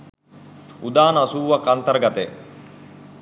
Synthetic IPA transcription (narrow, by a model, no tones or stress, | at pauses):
ud̪aːnəasuːʋakːant̪əɾəɡat̪e